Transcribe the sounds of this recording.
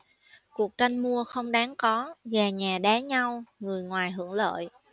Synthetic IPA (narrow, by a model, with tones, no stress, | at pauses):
ku˨˩ək̚t͡ɕa˧jŋmu˧əxə˧wŋ͡mɗaː˨˦ŋkɔ˨˦ɣaː˨˩ɲaː˨˩ɗaː˨˦ɲa˧wŋɨ˨˩əjŋwaː˨˩jɦɨ˧˩əŋlə̰ː˧˨j